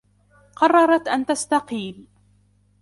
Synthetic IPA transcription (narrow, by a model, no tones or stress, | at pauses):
qɑrˤːɑɾˤɑt̪ʔant̪ast̪ɑqiːl